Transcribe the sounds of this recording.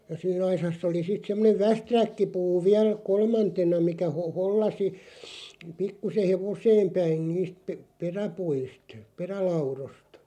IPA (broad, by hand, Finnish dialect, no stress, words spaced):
jɑ siːn ɑisɑsː oli sit semːoneʋ ʋæstrækːipuː ʋiæl kolmɑntenɑ mikæ ho holːɑsi pikːuseh̆ heʋoseːm pæin niːst p̆ĕ peræpuist perælɑurost